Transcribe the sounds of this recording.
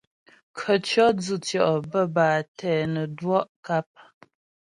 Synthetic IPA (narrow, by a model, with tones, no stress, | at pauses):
kʰə˨t͡ʃɔ˦d͡zu˦˨tjɔ˨ʔbə˦baː˨tɛ˦˨nə˨dwɔ˦ʔka˦p̚